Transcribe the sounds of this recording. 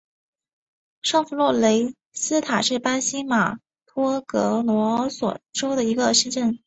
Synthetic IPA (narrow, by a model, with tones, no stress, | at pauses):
ʂɑ˥˩ŋfu˧˥lwɔ˥˩le˧˥ɪ | sɹ̩˥t̪ʰa˨˩ʂɻ̩˥˩pa˥nɕi˥ma˨˩ | t̪ʰwɔ˥kɤ˧˥lwɔ˧˥swɔ̰˨˩ʈ͡ʂo˥ʊd̪ə˨i˧˥ɡə˧ʂə˥˧ʈ͡ʂə˥˩n